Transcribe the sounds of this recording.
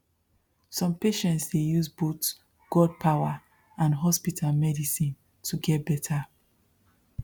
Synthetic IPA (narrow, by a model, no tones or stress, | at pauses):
sɔ̃mpeʃɛ̃ntsdejusbot | ɡ̥ɔd̚pʰaʊwa | ãnɦɔspitʰalmɛdisĩn | tʰuɡɛt̚bɛtʰa